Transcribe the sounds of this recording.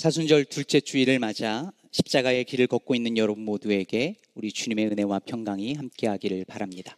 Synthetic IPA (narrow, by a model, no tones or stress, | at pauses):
t͡ɕʰasʰund͡ʑʌɭtuɭt͡ɕ͈e̞t͡ɕʰuiɾɯɭmad͡ʑa | ɕʰi̥p̚t͡ɕ͈aɡae̞kiɾɯɭkʌk̚k͈oinːɯnjʌɾʌbunmodue̞ɡe̞ | uɾit͡ɕuɲime̞ɯne̞wapʰjʌŋɡaŋihamk͈e̞ɦaɡiɾɯɭpaɾamɲida